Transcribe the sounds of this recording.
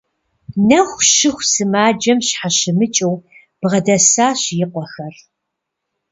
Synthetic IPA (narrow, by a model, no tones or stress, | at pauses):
nɐxʷʃɪxʷsɨmaːd͡ʒɐmɕħaɕɪmɨt͡ʃʼɐw | b̥ʁɐdɐsaːɕjɪqʷɔxɐr